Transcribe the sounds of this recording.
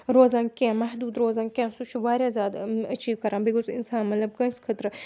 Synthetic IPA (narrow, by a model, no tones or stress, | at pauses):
ɾoːzãːŋkẽmɐɦd̪uːd̪ɾoːzãːŋkʲẽːsut͡ʃʰuʋaːɾjaːzʲaːd̪ɐt͡ʃiːʋkɐɾãːbikozḭnsaːnmɐt̪lɐb̚kɐ̃nskʰɐt̪ɾɨ